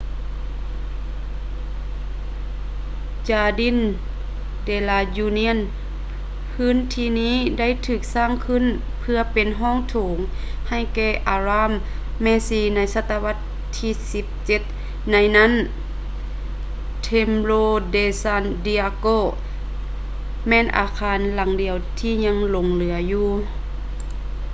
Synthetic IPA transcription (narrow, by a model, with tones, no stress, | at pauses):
t͡ɕaː˧˩di˧˥˨n | deː˧˩laː˧˩juː˧ni˧˥ə˨n | pʰɯː˦˥˨nt̪ʰiː˧niː˥˨da˥˨jt̪ʰɯː˧˩k̚saː˧˥˩ŋkʰɯ˧˥˨n | pʰɯ˧ɐpe˨nɦɔː˥˨ŋt̪ʰoː˨˦ŋ | ha˧˩jkɛː˧˩ʔaː˧ɾaː˧˥˨mː | ɛː˧siː˧˩na˧˥˩jsa˧t̪ːa˧wa˧˥t̪ʰːiː˧si˧˦p̚t͡ɕe˧˦t̪̚ | na˧jna˦˥˨n | t̪ʰe˧mloː˧deː˧sa˧˩ndi˧a˧koː˧˩ | mɛː˧˨nʔa̰ː˨˧˦kʰaː˧˦nla˨˦ŋdi˨əwt̪ʰiː˧˩ɲa˧ŋlo˨˧˦ŋlɯ˨˦ɐjuː˧˩